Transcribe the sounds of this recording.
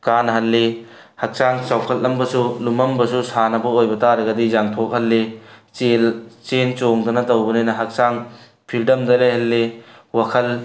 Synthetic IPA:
kanɦɐlːi | hɐk̚saŋsawkʰɐt̚lɐmbɐsulumɐmbɐsusanɐbɐojbɐtaɾɐɡɐdizaŋtʰok̚hɐlːit͡ʃelt͡ʃent͡ʃoŋdɐnɐtɐwbɐnajnɐɦɐk̚saŋ | pʰildɐmdɐlejɦɐlːewakʰɐl

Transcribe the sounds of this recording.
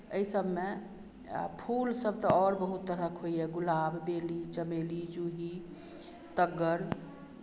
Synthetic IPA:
əisəbʱme | pʰulsəbt̪ɔɔɾbəɦut̪ːəɾəkʰɦoiɛɡulabːelit͡ʃəmelid͡ʒuɦi | t̪əɡəɾ

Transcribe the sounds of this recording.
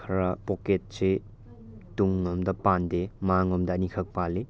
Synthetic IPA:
ɾɐpoket̚se | tuŋɔmdɐpandemaŋɔmdɐnikʰɐk̚pale

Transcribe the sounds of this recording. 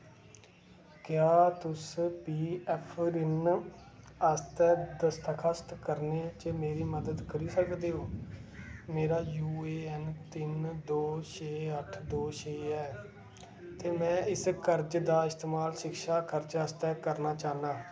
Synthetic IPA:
kjaːt̪ʊspiːɛːpʰɾɪn | əst̪ɛːd̪əst̪əkʰəst̪kəɾnet͡ʃeːmeːɾiːməd̪əd̪kəɾiːsəkd̪eːɦoː | meːɾaːjuːeːɛnt̪ɪnd̪oːt͡ʃeːəʈʰd̪oːʃʰeːɛː | t̪eːmɛ̃ːɪskəɾd͡ʒd̪aːɪst̪eːmaːlʃɪkʃaːkəɾd͡ʒəːst̪ɛːkəɾnaːt͡ʃaːnaː

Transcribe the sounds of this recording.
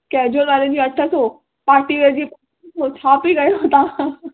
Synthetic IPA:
kɛːd͡ʑoɡaɾẽd͡ʑiːɐʈʰəso | paːɾʈiʋed͡ʑipa | sot͡ɕʰaːpiɡɐjoɦot̪a

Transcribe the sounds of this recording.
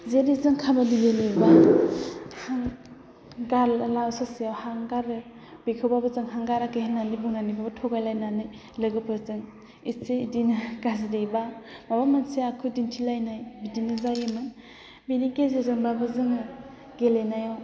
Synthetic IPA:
zeɾizɯŋkʰabadiɡeleba | haŋ | ɡaɾlawsasijawhaŋɡaɾɯ | b̥ikʰɯbabɯzɯŋɦaŋɡaɾakejhananibuŋnanibabɯtʰɔɡajlajnanɯj | lɯɡɯpʰɯzɯŋ | iseidinɯɡazɾebamabamanseakʰɯdintʰilajnajbidinɯzajɯmɯ | binikezezɯŋbabɯzɯŋɯ | ɡelenajaw

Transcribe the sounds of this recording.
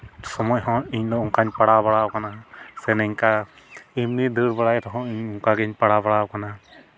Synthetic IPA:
sɔmɔjɦɔ̃iɲlɔuŋkaɲpaɽabaɽawkanasɛnɛɲka | imnid̪uɾbaɽajɾɔɦɔ̃iɲuŋkaɡɛɲpɐɽabaɽawkana

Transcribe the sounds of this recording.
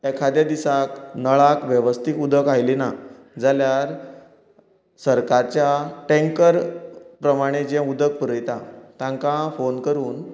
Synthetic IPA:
ekʰad̪jad̪isaknəɭakʋəʋəst̪ikud̪ʱəkajlina | d͡zaljaɾ | səɾkaɾt͡ɕjaʈẽŋkəɾpɾəmaɽ̃ed͡ʑɛ̃ud̪ək̚pəɾəjt̪at̪ãŋkãfonkəɾuːn

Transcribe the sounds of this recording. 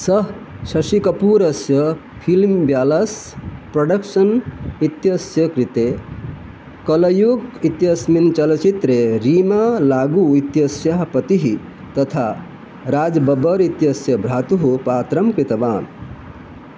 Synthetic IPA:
sɐɦ | sɐsikɐpuːɾɐsjə | pʰilmbjaːlɐspɾɐɖəkʃənit̪jɐsjəkɾit̪e | kɐlɐjuɡit̪jɐsmint͡ʃɐlt͡ʃit̪ɾeɾimalaːɡuit̪jɐsjaɦpɐt̪iɦi | t̪ɐt̪ʰa | ɾaːd͡ʒbɐbəɾit̪jɐsjəbʱɾaːt̪uɦupaːt̪ɾɐmkɾit̪ɐʋaːn

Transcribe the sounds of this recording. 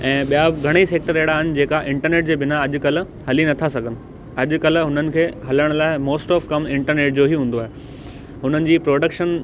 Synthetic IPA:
ɛ̃ːɓijaɡʱɐɽ̃eiːseːk̚ʈəɾeːɽaːɦɪnɪ̆d͡ʑeːkaʔɪ̃ɳʈəɾneːʈ̚d͡ʑeːbɪnaɐʄʊ̆kɐl̤̆ | hɐlinɐt̪ʰasɐɡʱənɪ̆ | ɐʄʊ̆kɐlɦʊnənɪ̆kʰeːɦɐləɽ̃laːɪmoːsʈɔːfkɐmɪ̃ɳʈəɾneːʈ̚d͡ʑoɦiɦũːn̆d̪oaːɦe | ɦʊnənɪ̆d͡ʑiːpɾoːɖəkʃən

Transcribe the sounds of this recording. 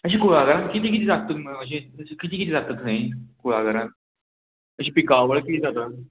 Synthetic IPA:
əɕiːkuɭaɡəɾãnkit̪iːk̬it̪̬ʰiːd͡zat̪̚t̪ət̪məəɕ̬ĩkit̪iːkit̪̬ʰiːd͡zat̪ːət̪naikuɭaɡəɾan | əɕiːpikaʋəɭkit̪id͡zat̪ət̪

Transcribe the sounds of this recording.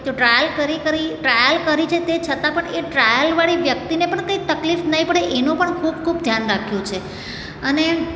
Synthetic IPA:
t̪oʈɾajəlkəɾikəɾiʈɾajəlkəɾit͡ʃʰet̪et͡ʃʰət̪ãpəɳeʈɾajəlʋaɭiʋjək̚t̪inepəɳkəit̪əklifnəɦĩpəɽeʔenũpəɳkʰubkʰubd̪ʱjanɾakʰjũt͡ʃʰe | əne

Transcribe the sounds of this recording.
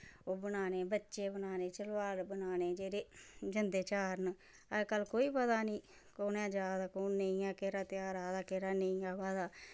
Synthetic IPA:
oːbənaːneːbətːʃeːbənaːneːt͡ʃəlʋaːlbənaːneːd͡ʒeːɾeːd͡ʒənd̪eːt͡ʃaːɾn | əkəlkoːiːpəd̪aːnĩː | koːnãːd͡ʒaːd̪aːkoːnneĩaːkeɾaːt̪ɪaːɾaːd̪aːkeːɾaːnəĩaːʋaːd̪aː

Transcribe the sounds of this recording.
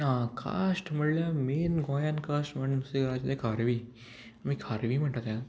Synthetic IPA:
ãkʰa̰sʈm̤əɽljameːnɡɔ̃jankasʈm̤əɳseɡəɾat͡ɕat̪jakʰaɾʋi | amikʰaɾʋiːm̤əɳʈ̪at̪jã

